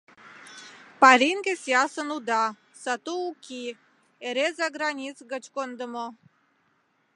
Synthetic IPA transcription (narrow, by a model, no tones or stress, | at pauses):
pɑɾʲiŋɡesjɑsənud̪ɑ | sɑt̪uukʲi | eɾezɑɡɾɑnʲit͡sɣə̆t͡ɕkond̪ə̆mo